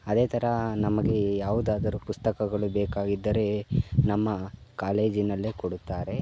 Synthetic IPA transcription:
ɐd̪e̞ːt̪ʰɐɾɐnɐmɐɡe̞jaːʋud̪aːd̪ɐɾupust̪ɐkɐɡɐɭubɛːkaːɡid̪ːɐɾe̞nɐmːɐkaːle̞ːd͡ʒinːɐlːeːkoɽut̪ːaːɾe̞

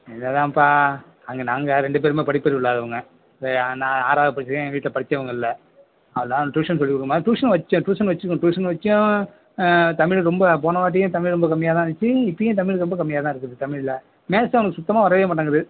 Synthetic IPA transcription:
ɛnd̪ɐt̪ãːpːaː | ɐŋɡɐnaːŋɡɐɾɛɳɖɯp̬eːɾɯmeːpɐɽɪpːɐɾiʊɭːaːðɐʋɐŋɡɐ | enãːaːɾaːðɐpɐɽɪt͡ʃːɯkːẽːʋiːʈlɐpɐɽɯt͡ʃːɐʋɐŋɡɐɪlːɐ | ɐʋɐlːãːʈuːʂɐns̬ɔlːikːʊɽɯkːɯmaːiʈuːʂɐnʋɐt͡ʃːʊ̃ʈuːʂɐnʋɐt͡ʃːɯɾɯkːʊ̃ʈuːʂɐnʋɐt͡ʃːʊ̃ | t̪ɐmɪɭɾɔmbɐp̬oːnɐʋaːʈ̬ːɪjʊ̃t̪ɐmɪɭɾɔmbɐkɐmːɪjaːt̪ãːɯt͡ʃːɯɪpːɐjʊ̃ːt̪̬ɐmɪɭɾɔmbɐkɐmːɪjaːt̪ãːɪɾɯkːɾɐðɯt̪ɐmɪɭɪlɐ | meːsɐʋɐnɐkːɯsʊt̪ːɐmaːʋɐɾɐʋeːmaːʈːaːŋɡɐɾɐðɯ

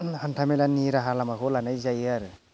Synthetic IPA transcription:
hantʰamilaniɾaɦalamakolanajzajaɾ

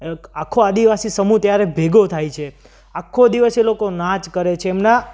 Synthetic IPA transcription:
akʰːoad̪iʋasisəmut̪jaɾebʱeɡot̪ʰajt͡ʃʰe | akʰːod̪iʋəselokonãt͡ʃkəɾet͡ʃʰeːmna

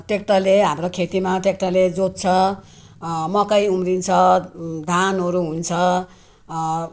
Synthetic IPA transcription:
ʈekʈaleɦamrokʰet̪imaʈekʈaled͡zot̪̚t͡sʰʌ | mʌkʌjumrint͡sʰʌd̪ʱanɦʌɾuɦunt͡sʰʌ

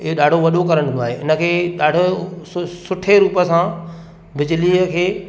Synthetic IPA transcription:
ɪɦoɗaːɖʱoʋɐɗokɐɾəɽ̃noaːɦeːʔɪnə̆kʰeːɗaːɖʱo | sʊʈʰeɾuːpəsã | bɪd͡ʑɪliːəkʰeː

